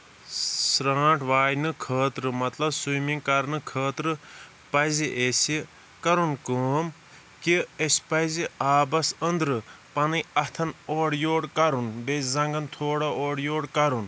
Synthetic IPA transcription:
sɾãːʈʋaːjnɨkʰəːt̪ɾɨmɐt̪lɐbsujmiŋkɐɾnɨkʰəːt̪ɾɨ | pɐziʔeːsi | kɐɾunkəːm | kiespɐziaːbɐsənd̪ɾɨ | pɐnɨɐt̪ʰɐnoːɽjoːɽkɐɾunbezɐŋɡɐnt̪ʰoːɽɐoːɽjoːɽkɐɾun

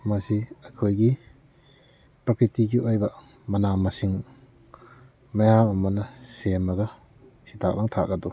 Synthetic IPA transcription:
mɐsiɐkʰojɡi | pɾɐkʰɾitiɡiʔojbɐ | mɐnamɐsiŋ | mɐjamɐmɐnɐsemɐɡɐ | hitʰak̚laŋtʰa̰k̚ɡadu

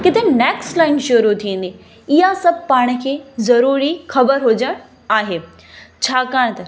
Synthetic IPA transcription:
kɪt̪ʰeneːkslaːɪnʃʊɾut̪ʰiə̃ːn̆d̪i | ɪɦasɐb̚ʱpaːɽ̃ə̆kʰeːzɐɾuːɾixɐbəɾɦʊd͡ʑəɽ̃ | aːɦeː | t͡ɕʰaːkaːɽ̃t̪ɐ

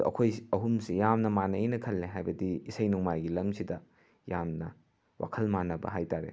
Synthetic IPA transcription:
ɐ̰kʰojɐɦumsijamnɐmanɐinɐkʰɐlːeɦajbɐdiːsɐjnuŋmajɡilɐmsidɐ | jamnɐ | wʔa̰kʰɐlmanɐbɐ̰ɦajtaɾḛ

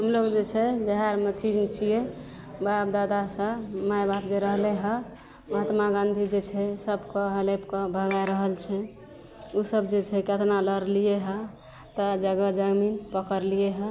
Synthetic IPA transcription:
ɦəmlokd͡ʒet͡ʃʰɛbiɦaɾmet̪ʰit͡ʃʰije | bap̚d̪ad̪asə̃majbap̚d͡ʒeɾəɦleɦə | məɦət̪maɡãnd̪ʱid͡ʒet͡ʃʰɛsəbkəɦəlepkəbʱəɡajɾəɦəlt͡ʃʰɛ | usəbd͡ʒet͡ʃʰɛkət̪naləɾlijeɦə | t̪əd͡ʒəɡəd͡ʒəɡminpəkəɾlijeɦə

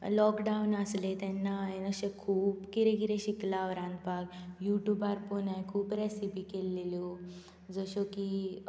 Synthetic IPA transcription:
lɔkɖanəslet̪ɛnːaːenəɕẽkʰuːpkiɾẽɡiɾẽɕiklaʋɾãnd̪paɡjuʈjubaɾponajkʰuːpɾɛsipikelːeljo | d͡zəɕoki

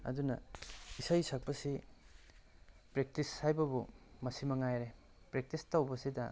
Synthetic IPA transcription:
ɐ̰dunɐisajsɐk̚pɐsi | pɾek̚tisːajbɐbumɐsimɐŋajɾe | pɾek̚tistawbɐsidɐ

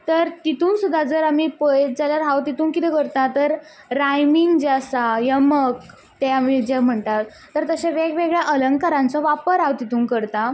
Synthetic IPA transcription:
t̪əɾt̪it̪uːnsud̪ʱːad͡zəɾamiːpəed͡zaljaɾɦawt̪it̪uːŋkit̪ɛkəɾt̪at̪əɾː | ajmiŋɡd͡ʑasajəmək | t̪ɛ̃amid͡ʑem̤əɳt̪at̪ːəɾt̪əɕaʋeɡʋeɡɭjaʔələŋkaɾãnt͡sɔʋapəɾawt̪it̪uːŋkəɾt̪a

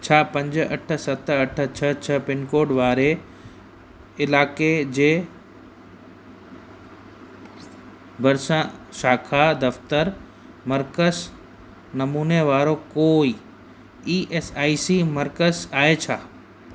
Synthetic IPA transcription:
t͡ɕʰaːpɐ̃ɲd͡ʑɐ̰ʈʰə̆sɐt̪ʰɐʈʰət͡ɕʰət͡ɕʰəpɪnkoːɖʋaːɾe | ɪlaːked͡ʑeː | bʱɐɾsãʃaːkʰad̪ɐft̪əɾ | mɐɾkəs | nɐmuːneʋaːɾokoːi | iːʔesaːisimɐɾkəzaːet͡ɕʰaː

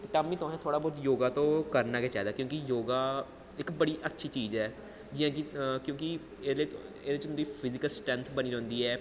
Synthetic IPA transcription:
kt̪aĩːt̪ʊɛ̃ːt̪ʰoːɽaːbɔːt̪joːɡaːt̪õːkəɾnaːkeːt͡ʃaːid̪aːkjõːkijoːɡaː | ɪkbəɽiːʔətːʃʰiːt͡ʃiːd͡ʒɛː | d͡ʒɪjãːkɪkjõːki | edliːeːd̪eːt͡ʃ̪nd̪iːpʰɪzɪkəlsʈɾɛ̃nt̪ʰbəniːɾɔ̃ːnd̪iːɛː

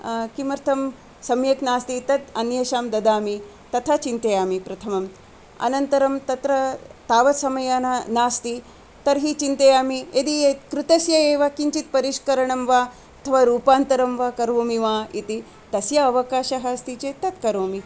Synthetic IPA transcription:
kimɐɾt̪ʰɐm | sɐmjɐknaːst̪it̪ɐt̪ɐnjɐʃaːmd̪ɐd̪aːmi | t̪ɐt̪ʰat͡ʃint̪ɐjaːmipɾɐt̪ʰɐmɐm | ɐ̰nɐnt̪ɐɾɐmt̪ɐt̪ɾɐt̪aːʋɐt̪sɐmɐjaːnanaːst̪i | t̪ɐɾɦiːt͡ʃint̪ɐjaːmied̪iet̪kɾut̪ɐsjɐeːʋakiɲt͡ʃit̪̚pɐɾiʃkɐɾɐɳɐmʋa | ɐt̪ʰɐʋaːɾuːpaːnt̪ɐɾɐmʋaːkɐɾʋoːmiʋaːḭt̪i | t̪ɐsjɐɐʋɐkaːʃɐɦast̪it͡ʃeːt̪ɐt̪kɐɾʋoːmi

